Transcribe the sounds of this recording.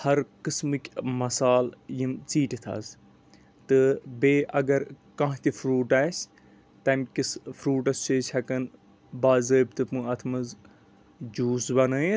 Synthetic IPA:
hɐɾkɨsmɨkʲmɐsaːljimt͡siːʈit̪ʰa̰z | t̪ɨbeːʔɐɡɐɾ | kɐ̃ɦt̪ʲifɾuːʈaːsʲ | t̪ɐmkʲisfɾuːʈɐst͡ʃeːt͡ʃʲʰɐkɐn | baːzəːb̚ʲt̪ɨpɨ̃ɐt̪ʰmɐz | d͡ʒuːsbɐnɐː

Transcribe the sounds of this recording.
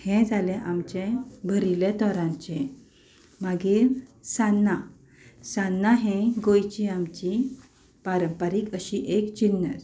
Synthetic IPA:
hɛ̃d͡zʱalẽʔamt͡ɕẽbʱəɾilet̪ɔɾãɲt͡ɕɛ̃ | maɡiɾsanːa | sanːaɦɛ̃ɡojt͡ɕiamt͡ɕi | paɾəmpaɾikəɕiʔekt͡ɕinːəɾ

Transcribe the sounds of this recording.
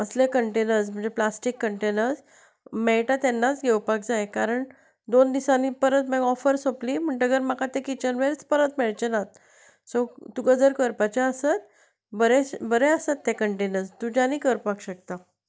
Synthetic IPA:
əslekəɳʈenəɾsm̤əɳd͡zeplasʈikːəɳʈenəɾd͡z | meɛɭʈat̪enːat͡sɡʱewpak̚d͡zaekaɾəɳ | d̪ond̪isãnipəɾət̪mɛɡɔfəɾsopliːm̤əɳʈəɡəɾmakat̪ekit͡ɕənʋelt͡spəɾət̪meɭt͡ɕenat̪̚ | sot̪uɡəd͡zəɾkəɾpat͡ɕaəsət̪̚ | bəɾebəɾeəsət̪ːekəɳʈenəɾd͡zt̪ud͡ʑaniːkəɾpakɕək̚t̪a

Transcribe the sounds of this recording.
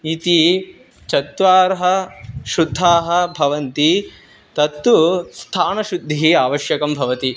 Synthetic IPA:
it̪i | t͡ʃɐt̪ʋaːɾɦɐʃud̪ʱːaːɦɐ̆bʱɐʋɐnt̪i | t̪ɐt̪ːust̪ʰaːnɐʃud̪ʱːiɦiaːʋɐʃjɐkɐmbʱɐʋɐt̪i

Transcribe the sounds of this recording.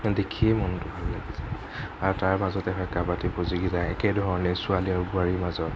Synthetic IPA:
dekʰiɛmɔntʊbʱalːaɡisɛ | aɹtaɹmazɔtɛɦɔjkabatiboziɡizajɛkɛdʱɔɹnisʊaliaɹuɡʊaɹimazɔt

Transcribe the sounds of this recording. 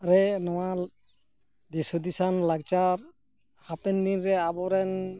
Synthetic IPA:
aɾɛnɔwa | d̪isud̪isanlaɡ̚t͡ʃaɾ | hapɛnd̪inɾɛabɔɾɛn

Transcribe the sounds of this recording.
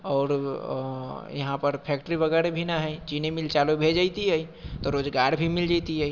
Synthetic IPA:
ɔːɾ | jəɦãpəɾpʰɛk̚ʈəɾibəɡɛɾebʱinaɦət͡ʃinemilt͡ʃalubʱed͡ʒat̪iɦəit̪ɔɾod͡ʒɡaɾbʱimild͡ʒat̪iɦəi

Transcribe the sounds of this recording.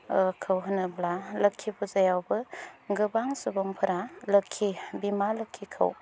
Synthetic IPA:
kʰɯwɦɯnɯblalɐkʰːibuzajawbɯɡɯbaŋsubɔŋpʰɯɾalɐkʰːibimalɯkʰːikʰə̰w

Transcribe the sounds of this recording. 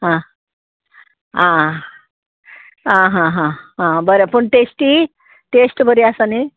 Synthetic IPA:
ɦã | ɦã | ɦãɦãɦãɦãbəɾapəɳʈesʈi | ʈesʈbəɾiasane

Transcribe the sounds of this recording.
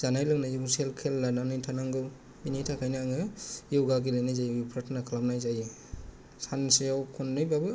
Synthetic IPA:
zanajlɯknajowselkʰelːananɯjtʰanaŋɡɯw | binijtʰakʰajnaŋɯjewɡaɡilejnajzajwipʰɾɯtʰnakʰlap̚najzaj | sansijawkʰɔnːɯjbabɯ

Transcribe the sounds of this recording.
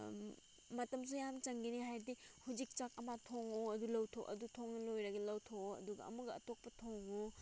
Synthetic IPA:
mɐtɐms̬ujamt͡ʃɐŋɡiniɦajɾdihud͡ʒik̚t͡ʃak̚ɐmatʰoŋoɐdulɐwtʰoʔɐ̰dutʰoŋnɐlojɾɐɡɐlɐwtʰoɐ̰duɡɐ̰ɐ̰muɡɐɐ̰tok̚pɐtʰoŋo

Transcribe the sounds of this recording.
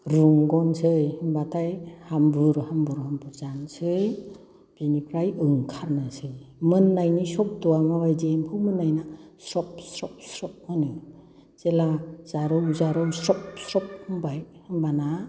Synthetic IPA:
ɾuŋɡɔnsɯjhɯŋbatʰajhambɯɾhambuɾhambuzansɯj | b̥inipʰɾajɯŋkʰaɾnɯsɯjmɯnːajnisɔp̚dɔwamawajdemkʰɯmɯnːajnasɾɔp̚sɾɔp̚sɾɔp̚mɯnɯ | z̥elaz̥aɾɯwzaɾɯwsɾɔp̚sɾɔp̚hɯŋbajhɯŋbana

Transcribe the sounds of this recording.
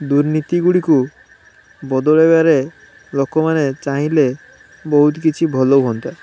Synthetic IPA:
d̪uɾnit̪iɡuɽiku | bɔd̪ɔɭebeaɾe | lokɔmanet͡ʃaɦĩle | bɔɦut̪kit͡ʃʰibʱɔlowɦɔnt̪a

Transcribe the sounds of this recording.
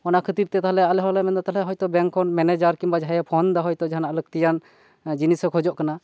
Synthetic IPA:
ɔnakʰət̪iɾt̪ɛt̪aɦlɛalɛɦɔlɛmɛnd̪at̪aɦlɛɦɔjt̪ɔbɛŋkʰːɔnmɛnɛd͡ʒaɾkimbad͡ʒʱajɛpʰɔnd̪aɦɔjt̪ɔd͡ʒaɦanalək̚t̪ijan | d͡ʒinisɛkʰɔd͡ʒɔʔkana

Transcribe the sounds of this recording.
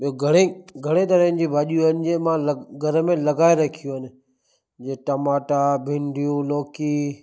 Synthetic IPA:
ɓioɡʱɐɽ̃eɡʱɐɽ̃et̪ɐɾə̃nɪ̆d͡ʑiːbʱaːʄijũɦənɪ̆d͡ʑeːmãlɡʱɐɾəmẽlɐɡaːeɾɐkʰijũɦənɪ̆ | d͡ʑeːʈɐmaːʈabʱɪ̃ɳɖʱijũloːki

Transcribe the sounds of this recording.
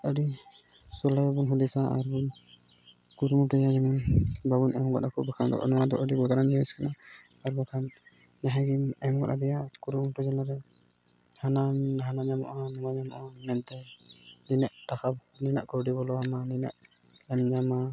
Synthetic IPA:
əɖi | sɔlaɔbunɦud̪ɛsaʔa̰ɾbun | kuɾumuʈɔjad͡ʒɛmanbabunɛmɡɔ̰ɗakʰɔbakʰand̪ɔ̰ʔɔnɔwad̪ɔʔədiɡɔɡ̪aɾand͡ʒɔiskanaː | ɾbakʰanː | ɛɦaɡimɛmɡɔ̰ɗad̪ɛjakuɾumuʈɔd͡ʒanaɾɛ | hananaɦanaɲamɔ̰ʔanɔmaɲamɔ̰ʔamɛnt̪ɛninaʔʈakʰabninaʔkɔɾɖibɔlɔamanina̰ʔ | ɛmɲama

